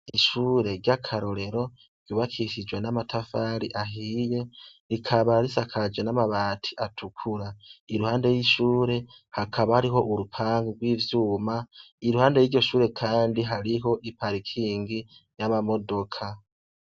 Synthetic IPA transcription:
iʃuːɾe̞ɾɟakʰaɾo̞ɾe̞ɾo̞̥ | uβakʰiʃid͡ʒwe̞namatʰafaɾiʔaɦije̞ɾikʰaβaɾisakʰad͡ʒwenamaβaːtʰi̥ʔatʰukʰuɾaiɾuhaːnde̞jiʃuːɾe̞ | hakʰaβahaɾiɦo̞ʔuɾupʰaːŋɡuɡwiːvjuːma | iɾuhaːnde̞jiːɾɟo̞ʃuːɾe̞kʰaːndiɦaɾiɦo̞ʔipaɾikʰiːŋɡijamamo̞do̞kʰa

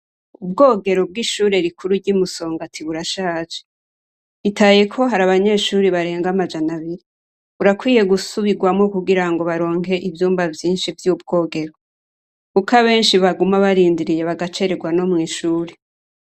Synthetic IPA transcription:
ubɡo̞ːɡe̞ɾo̞b̚ɡiʃuːɾe̞ɾikʰuɾuɟimuso̞ːŋɡatʰiβuɾaʃaːt͡ʃe̥ | itʰaje̞kʰo̞ɦaɾaβaɲe̞ːʃuːɾiβaɾe̞ːŋɡamad͡ʒanaβiɾi | βuɾakwiːje̞ɡusuβiɡwamŋo̞kuɡiɾaŋɡo̞βaɾo̞ːŋhɦe̞ʔivjuːmbavjiːnʃivjuːb̚ɡo̞ːɡe̞ɾo̞ | kukaβe̞ːnʃiβaɡumaβaɾiːndiɾije̞βaɡat͡ʃe̞ɾe̞ɡwano̞mŋiːʃuːɾe

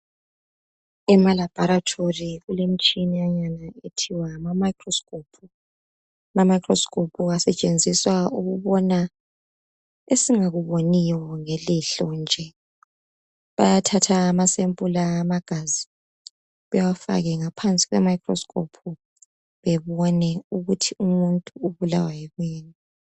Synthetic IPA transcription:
ɛmalab̥ʱɔɾatʰoriɣulemit͡ʃʼinijaɲanaetʰiwamamajkʰrɔskʰʼopʰu | mamajkʰʼrɔskʰʼopʰuɣasɛt͡ʃʼend͡zʱiswauɣuβɔna | esiŋaɣuβonijɔŋeliɬɔnd͡ʒʱɛ | βa̰jatʰatʰaːmasempʼulaːmaɡ̥ʱazi | βɛwafa̰ɣɛŋapʰant͡sʼi̥ɣwɛ̰maikrɔ̰skʰʼo̰pʰu | βɛβɔnɛuɣutʰiumuntʼuuβulawajɛɣweːni

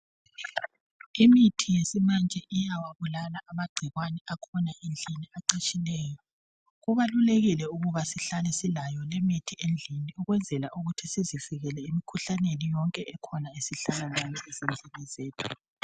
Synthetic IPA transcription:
imitʰijesimand͡ʒʱɛʔijawaβulalaʔamaɡ͡ǀʱiɣwanɛakʰɔnaend͡ɮʱiniaǃat͡ʃʼilɛːjɔ | ɣuβaluleɣilɛuɣuβasiɬalɛsilajɔlemitʰiʔend͡ɮʱiniuɣwɛnd͡zʱɛlaʔuɣutʰisiziviɣɛlɛimikʰuɬanenijɔŋkʼɛʔɛkʰɔnaesiɬalanʱaniɛzend͡ɮʱinɛzeːtʰu̥

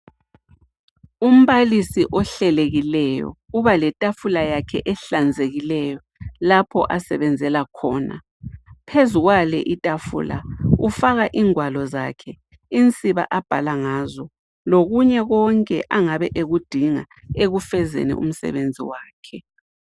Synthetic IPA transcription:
um̩βalisiʔɔɬɛleɣilɛjɔ̰uβalɛtʼafulajakʰɛʔɛɬand͡zʱeɣilɛjɔ | lapʰɔ̰ʔasɛβɛnd͡zʱɛlakʰɔːna̰ | pʰezuɣwalɛ̰ʔitʼafṵla̰ufaɣaʔiːŋwalɔzakʰɛ | int͡sʼiβa̰ʔab̥ʱalaŋazɔ | loɣuɲɛɣɔŋkʼɛ̰ʔaŋaβɛʔeɣud̥ʱiŋa | eɣufɛzḛnɛ̰ʔṵm̩sɛ̰βend͡zʱḭwaːkʰɛ

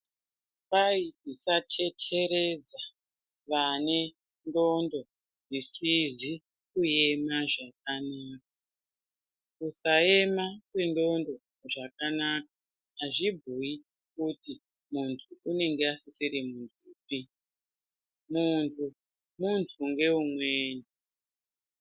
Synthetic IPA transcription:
paiisatʰe̞tʰe̞ɾe̞d͡za | ʋane̞ | ndo̞ndo̞ | ʐisizi | kuje̞maʐak̚anaːk̚a | kusae̞makwe̞ndo̞ndo̞ | ʐakanakḁː | ʐibʱui | kuti | muntʰuune̞ŋɡeasisiɾimuntʰuːpi | muntʰu | muntʰuŋɡe̞umweːne

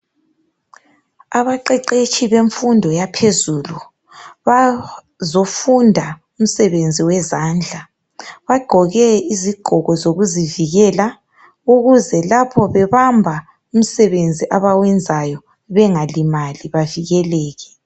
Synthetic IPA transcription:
aβaǃɛǃet͡ʃʼʰiβeɱfundʱɔjapʰezuːlu | βa | zofundʱa | um̩sɛβend͡zʱiwɛzand͡ɮʱa | βaɡ͡ǃ̥ʱɔɣɛiziɡ͡ǃ̥ʱɔɣɔzoɣuziviɣɛla | uɣuzɛlapʰɔβɛβambʱa | um̩sɛβend͡zʱiʔaβawɛnd͡zʱajɔ | βɛŋalimaliβaviɣɛlɛːɣɛ

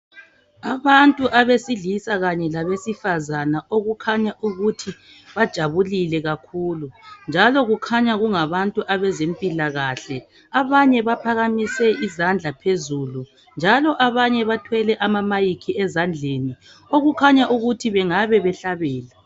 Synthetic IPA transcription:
aβantʼuʔaβesiɮisaɣaɲɛlaβesifazanaʔoɣukʰaɲaʔuɣutʰi | βad̥ʒ̥ʱaβulilɛɣakʰuːlund͡ʒʱalɔɣukʰaɲaɣuŋaβantʼuʔaβɛzempʼilaɣaɬɛ | aβaɲɛβapʰaɣamisɛʔizand͡ɮʱapʰezuːlu | nd͡ʒʱalɔʔaβaɲɛβatʰwɛlɛʔamamajikʰiɛzand͡ɮʱeni | oɣukʰaɲaʔuɣutʰiβɛŋaβɛβɛɬaβɛːla

